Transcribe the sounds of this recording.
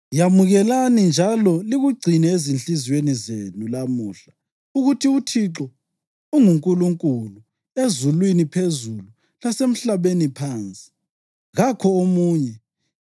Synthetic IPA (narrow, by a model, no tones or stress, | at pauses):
jamuɣɛlanind͡ʒʱalɔliɣuɡ͡ǀʱinɛezinɬizwenizenulamuːɬa | uɣutʰiutʰiǁɔ | uŋuŋkʼuluŋkʼulu | ezulwinipʰezulu | lasem̩ɬaβenipʰaːnt͡sʼi̥ | ɣakʰɔomuːɲɛ